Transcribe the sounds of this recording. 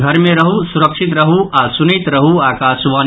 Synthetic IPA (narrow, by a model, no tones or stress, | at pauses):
ɡʱɐɾmẽɾɐɦusuɾəkʃit̪ɾəɦuʔasunit̪ɾɐɦuaːkaːsʋaː